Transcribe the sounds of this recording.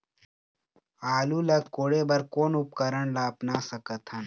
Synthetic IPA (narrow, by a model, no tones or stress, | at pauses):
aːluːlɐkoːɽeːbɐɾkoːnupkɐɾəɳlaːpnaːsɐkət̪ʰɐn